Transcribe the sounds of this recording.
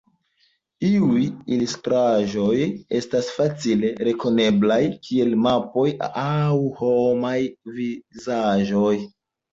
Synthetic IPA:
iujilustɾaʒo̞je̞̰stasfat͡sile̞ɾe̞ko̞ne̞blajkʰie̞lmapo̞jawho̞majvizaʒo̞j

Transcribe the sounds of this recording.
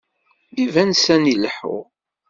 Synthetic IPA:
ivænsænilħʊ̰

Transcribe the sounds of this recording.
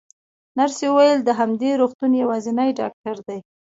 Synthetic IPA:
naɾsewəwajəld̪əɦamd̪eɾoxt̪unjawɑzinajɖɑ̰k̚ʈaɾd̪aj

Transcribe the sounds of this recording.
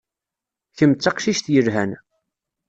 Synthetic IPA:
çəmt͡sːɑqʃiʃt̪jəɾɦæn

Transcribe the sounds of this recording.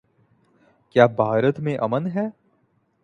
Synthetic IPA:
kjaːbʱaːɾət̪mẽʔɐmənɦɛː

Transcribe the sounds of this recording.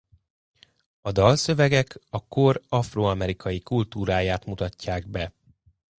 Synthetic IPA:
ɒd̪ɒlsø̞vɛɡɛkɒkorɒfroːɒmɛɾikʰɒjikult̪uːɾaːjaːt̪mut̪ɒcːaːɡ̚bɛ

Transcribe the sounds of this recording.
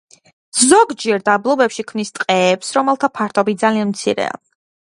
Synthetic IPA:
zɔɡd͡ʒɛɾd̪ablˠɔbɛpʃikʰmnist̪ʼqʼɛːpsɾɔmɛlˠt̪ʰapʰaɾt̪ʰɔbit̪̚d̪zalianmt̪sʰḭɾɛ̰a̰

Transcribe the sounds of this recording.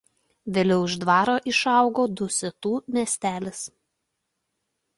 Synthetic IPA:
ʋʲeːlʲɛʊɪʒd̪ʋɑːɾoːʔɪʃɑˑʊɡoːd̪ʊsʲɛt̪uːmʲiɛsʲt̪ʲæːlʲɪs

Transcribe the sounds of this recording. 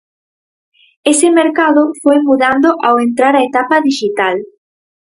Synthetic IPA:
esɪmeɾkaðʊfojmuðand̪ʊʔawent̪ɾaɾaet̪apɐðiʃit̪al

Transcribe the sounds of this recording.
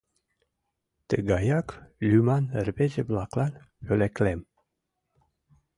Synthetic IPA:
t̪eɡajaklʲymanəɾbed͡ʒeblaklan | joleklɛm

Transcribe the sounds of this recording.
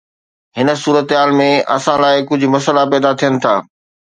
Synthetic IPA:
ɦɪnə̆suːɾət̪ɦaːlmẽɐ̰sãlaːɪkʊd͡ʑʱʊ̆mɐsəlapɛːd̪at̪ʰijənɪ̆t̪ʰaː

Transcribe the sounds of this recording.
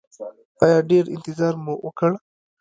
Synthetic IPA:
ɑːjɑːɖeɾɪ̰nt̪ɪzɑːɾmuwəkəɽ

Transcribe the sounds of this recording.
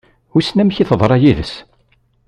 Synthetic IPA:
ʊsnæmçiθəðˤɾˤɑjiðəs

